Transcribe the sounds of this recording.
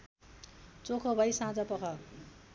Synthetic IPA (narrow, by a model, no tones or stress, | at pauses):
t͡sokʰʌbʱʌjsãd͡zʌpʌkʰʌ